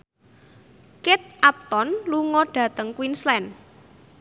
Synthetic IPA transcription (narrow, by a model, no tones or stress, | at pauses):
kɪt̪̚ap̚t̪ɔnluŋɔɖ̥ä̤t̪əŋkwinslɛn